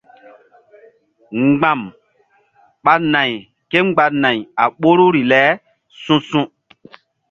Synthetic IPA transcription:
ŋ͡mɡ͡bã˨m | ɓa˨na˨j | ke˦ŋ͡mɡ͡ba˨na˨ja˨ɓo˦ɾu˦ɾi˨lɛ˨˦ | sũ˦sũ˦

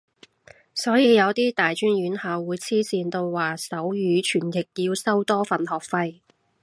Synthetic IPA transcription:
sɔː˨˥jiː˨˧jɐ˨˧wt̪iː˥t̪aː˨jt͡ʃyː˥nɥyː˨˥nhaː˨˧wwuː˨˧jt͡sʰiː˥siː˧nt̪o˧wwaː˨˩sɐ˨˥wjyː˨˥t͡ʃʰyː˨˩nkʰɪ˨˩k̚jiː˧wsɐ˥wt̪ɔː˥fɐ˨nhɔː˨˩k̚fɐ˧j

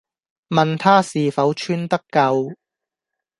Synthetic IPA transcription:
mɐ˨nt̪ʰaː˥siː˨˩fɐ˨˥wt͡ʃʰyː˥nt̪ɐ˥kːɐ˧w

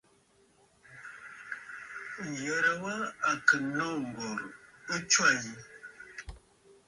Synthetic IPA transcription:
jə˨ɾa˨wa˦a˨kə˨nɔ˦˨ŋ̩˨ɡɔ˨ɾə˦t͡ʃwa˦˨ji˨

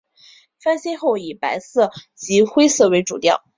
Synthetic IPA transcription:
fa˥nɕjɛ˥xo˥˩ʊi˨˩pa˧˥ɪsɤ˥˩t͡ɕi˧˥xwe˥ɪsɤ˥˩we˧˥ɪʈ͡ʂṵ˨˩t̪jɑ̰˥˩ʊ

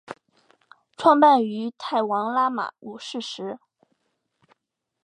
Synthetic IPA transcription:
ʈ͡ʂʰwɑ˥˧ŋpa˥˩ny˧˥t̪ʰa˥˩ɪwɑ˧˥ŋla˥ma̰˨˩u˨˩ʂɻ̩˥˩ʂɻ̩˧˥

